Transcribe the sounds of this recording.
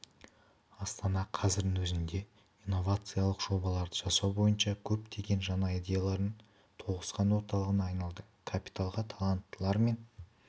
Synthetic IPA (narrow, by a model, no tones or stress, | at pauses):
ɑst̪ɑnɑqʰɑzɪɾd̪ɪnwɵzɪnd̪e̞ | inːo̞vat̪sɨjalˠəqʒ̥o̞bɑlˠɑɾd̪əʒɑsɑwbo̞jənʃɑkʲʰɵpt̪ʰe̞ɡʲe̞nʒɑnɑid̪ʲe̞jalˠɑɾən | t̪ʰo̞ʁəsqɑnwo̞ɾt̪ɑlˠəʁənɑːjnɑlˠd̪ə | kʰapʲi̥t̪alˠʁət̪ʰalˠant̪ːəlˠɑɾme̞n